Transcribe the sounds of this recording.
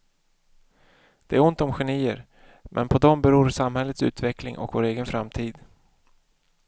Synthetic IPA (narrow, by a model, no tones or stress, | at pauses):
d̪̥ɛæɾʊnt̪ɔmɧɛniːəɾ | mʔɛ̰npʰɔd̪ɔmbɛɾuːɾsamhɛlːət̪sʉ̟ːt̪vɛklɪ̰ŋʔɔ̰kvoːɾeːɡənfɾamt̪ʰiːd̪